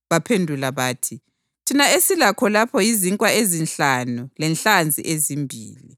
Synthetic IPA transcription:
βapʰendʱulaβaːtʰi | tʰinaesilakʰɔlapʰɔjiziŋkʼwaezinɬanulɛnɬand͡zʱḭʔezimbʱḭːlḭ

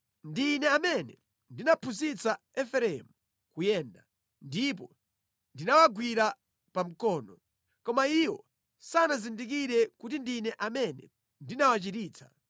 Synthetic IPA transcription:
ndinɛamɛnɛ | ndinapʰuzit͡sa | ɛfɛɾɛmu | kujɛːnda | ndipɔ | ndinawaɡwiɾa | pam̩kɔːnɔ | kɔmaiwɔ | sanazindik̬iɾɛkut̬indinɛʔamɛnɛ̰ | ndinawat͡ʃitiːt͡sʰḁ̰

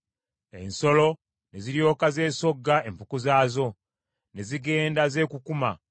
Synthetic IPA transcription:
e̞̰nso̞lo̞ | ne̞ziɾjo̞ːkaze̞ːso̞ɡːae̞mpukuzaːzo̞ | ne̞ziɡe̞ːndaze̞ːkukuma̰

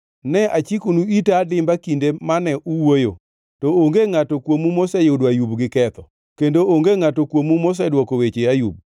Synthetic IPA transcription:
nɛʔat͡ʃikunuitadɪmbakindemanɛʔuwojo̰ | tɔoŋɡeŋatokwomumosɛjoudajubɡɪkɛt̪ɔ | kendooŋɡeŋatokwomumos̬ɛdwɔkowet͡ʃeajṵb̚

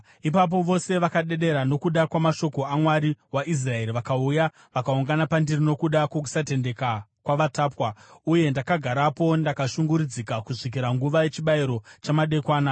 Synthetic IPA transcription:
ipap̬o̞ʋo̞se̞ʋakaɗe̞ɗe̞ɾano̞kuɗakwamaʃo̞ko̞amwaɾiwaʔis̬rae̞ɾiʋakauja | ʋakauŋɡanapandirino̞kuɗakwok̬u̥sate̞nde̞kakwaʋataːpwauje̞ndakaɡʱaɾapo̞ndakaʃuŋɡuɾud͡zikakuʐik̬iɾaŋɡuʋaje̞t͡ʃiɓaiɾo̞t͡ʃamaɗe̞kwaːna

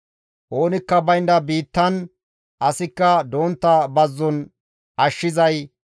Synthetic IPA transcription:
ʔo̞ːnɪkːɐbɐjnd̪ɐbiːt̪ːɐn | ʔɐsɪkːɐd̪oːnt̪ːɐbɐzːɔn | ʔɐʃːɪzɐj

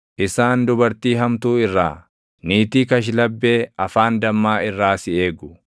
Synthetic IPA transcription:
ʔɪsaːnd̪ʊbɐɾt̪iːɦɐmt̪uːɪrːa̰ː | niːt̪iːkɐʃ̬lɐbːe̞ːɐfaːnd̪ɐmːaːɪrːaːsɪeːɡʊ̥

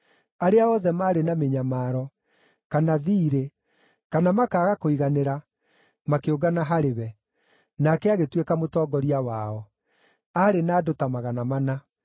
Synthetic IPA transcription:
aɾeaɔðɛmaːɾenameɲamaːɾɔ | kanaðiːɾe | kanamakaːɣakoiɣaneɾa | makeoɡanaɦaɾeβɛ | nakɛaɣetwekamotɔːɡɔɾiawaɔ | aɾenaːdotamaɣanamana

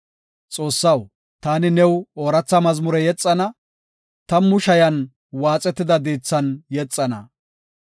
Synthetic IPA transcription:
t͡sʼo̞ːsːɐw | t̪aːnɪnɛwoːɾɐt͡sːɐmɐzmʊɾɛjɛt͡sʼːɐnɐ | t̪ɐmʊʃɐjɐn | waːt͡sʼɛt̪ːɪd̪ɐd̪iːt͡sːɐnjɛt͡sʼːɐnɐ̰

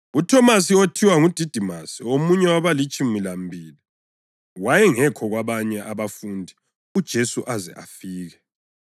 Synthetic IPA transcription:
utʰɔmas̬iotʰiwaŋud̥ʱid̥ʱimasiomuɲɛwaβalit͡ʃʼumilambʱiːli | wajɛŋɛkʰɔɣwaβaɲɛʔaβafundʱi | ud̥ʒ̥ʱesuʔazɛ̰ʔa̰fiːɣɛ

